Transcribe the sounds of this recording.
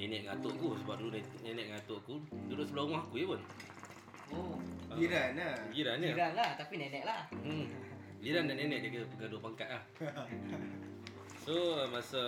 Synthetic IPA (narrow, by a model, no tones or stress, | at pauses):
nenɛʔŋat̪oʔakusəbap̚dulunnenɛʔŋat̪oʔkududʊʔsəbulaumahkujəpun | oaiɾanaɡiɾanɲəɾanlaht̪apinɛnɛʔlah | liɾandaʔnenɛʔ̚dəkət̪uɡaduoʔpaŋkat̪̚lah | somasə